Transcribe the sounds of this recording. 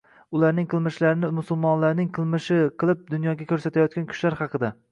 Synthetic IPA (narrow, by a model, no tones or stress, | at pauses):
ʊlaɾnɪŋqʰɨlˠmɪʃlaɾɪnɪmʊsʊlˠmɒnlaɾnɪŋqʰɨlˠmɪʃɪqʰɨlˠɪp̚d̪ʊnjɒɡʲakʲʰɵɾsat̪ʰajɒt̪̚kʲankʲʰʊ̥ʃlaɾhɑqɨd̪a